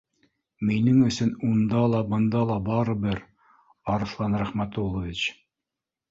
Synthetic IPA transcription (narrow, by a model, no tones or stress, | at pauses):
minɘŋɵ̆sɵnund̪ɑlˠɑbɤ̆nd̪ɑlˠɑbɑɾɤ̆bɘɾ | ɑɾɤ̆slˠɑnɾæχmæt̪ulˠŏvʲit͡ɕ